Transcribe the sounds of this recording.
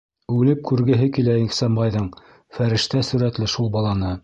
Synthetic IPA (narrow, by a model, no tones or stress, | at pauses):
ʉlɘp̚kʉɾɡɘ̆ɦɘkilæiχsæmbɑjðɤɴ | fæɾɘ̆ʃt̪æsʉɾæt̪lɘʃulˠbɑlˠɑnɤ